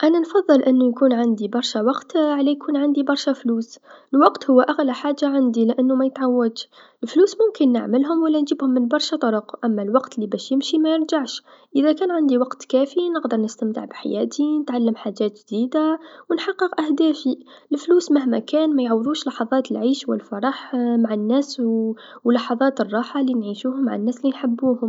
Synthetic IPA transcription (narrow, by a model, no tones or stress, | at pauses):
ʔænænfɑðˤːɨlʔənːujkuːnʕand̪ibɑɾˤʃæwɑqt̪ʕlæjkʰuːnʕand̪ibɑɾˤʃafluːsəlwɑqt̪hʊwːʔaɣlæħaːʒːaʕand̪ilɪʔænːumæjət̪ʕawːæd̪ʃ | əlfluːsmʊmkənːə̰ʕməlɦʊmwælːænʒəbhʊmːənbɑɾˤʃat̪ˤɑɾəqʔæmːælwɑqt̪libæːʃjɪmʃimæjəɾʒaʕʃʔəðækæːnʕand̪iwɑqt̪kæːfinəqd̪əɾˤnəst̪æmt̪ə̰ʕbħa̰jæ̰ːt̪ʰinət̪ʕalːəmħaʒæːt̪ʒd̪iːd̪awnħɑqːəqʔæhd̪æːfi | əlfluːsmaɦmækæːnmæjʕawːd̪uːʃlɑħɑðˤɑːt̪lʕiːʃwə̰lfɑɾˤɑħmaʕanːæːs | wlɑħɑðˤɑːt̪ərˤːɑːħɑlinʕiʃuːhʊmːaʕanːæːslinħəbːuːhʊm